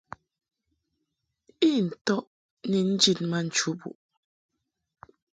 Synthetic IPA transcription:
i˦˨n̩˨tɔ˦ʔ | ni˨n̩˦d͡ʒi˦t̚ma˦n̩˨t͡ʃu˦bṵ˨ʔ

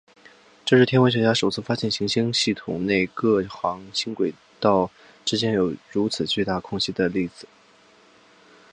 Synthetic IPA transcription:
ʈ͡ʂɤ˥˧ʂɻ̩˥˩t̪ʰjɛ˥nwɕɥɛ˧˥t͡ɕja˥ʂo˨˩ʊt͡sʰɹ̩˥˩fa˥ɕjɛ˥˩nɕi˧˥ŋɕi˥ŋɕi˥˩t̪ʰʊ̰˨˩ŋne˥˧ɪkɤ˥˩xɑ˧˥ŋɕi˥ŋkwe˨˩ɪ | t̪ɑ˥˩ʊ | ʈ͡ʂɻ̩˥t͡ɕjɛ˥njo˨˩ʊɻu˧˥t͡sʰɹ̩˨˩t͡ɕy˥˧t̪a˥˩kʰʊ˥ŋɕi˥d̪ə˨li˥˩d͡zɹ̩˨˩˦

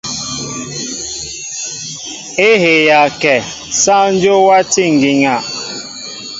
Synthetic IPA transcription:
e˦ɦe˨ja˨kɛ˨ | sa˦n̩˦d͡ʒo˦wa˦ti˦ŋ̩˨ɡi˨ŋa˨

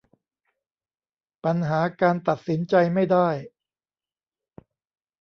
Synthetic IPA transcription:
pa˧nɦaː˩˦kaː˧nt̪a˨˩t̪̚si˩˦nt͡ɕa˧jma˥˩jdaː˥˩j

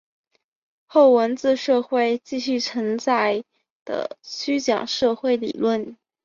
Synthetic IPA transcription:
xo˥˩ʊwə˧˥nt͡sɹ̩˥˧ʂɤ˥˧xwe˥˧ɪt͡ɕi˥˧ɕy˥˩t͡sʰə˧˥ŋt͡sa˥˩ɪ | d̪̥ə̰˩t͡ɕʰy˥t͡ɕjɑ̰˨˩ŋʂɤ˥˧xwe˥˩ɪḭ˨˩lwə˥˩n

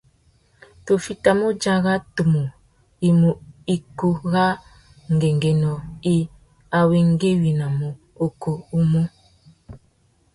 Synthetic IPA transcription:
to˨fi˨ta˨mo˦d͡ʒa˦ɣa˦to˨mo˨ | i˨mo˨i˨ko˦˨ɣa˦ | ŋ˨ɡe˨ŋɡe˨nɔ˨i˨ | a˨we˨ŋ˦ɡe˦wi˨na˨mo˨ | o˨ko˨u˦mo˦

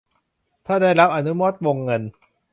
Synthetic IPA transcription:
t̪ʰaː˥˩daː˥˩jɾa˦˥p̚ʔa˨˩nu˦˥mo˦˥t̪̚wo˧ŋːɤ˧n

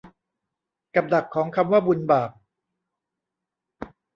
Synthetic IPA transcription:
ka˨˩p̚da˨˩kʰːɔː˩˦ŋkʰa˧mwaː˥˩bu˧nbaː˨˩p̚

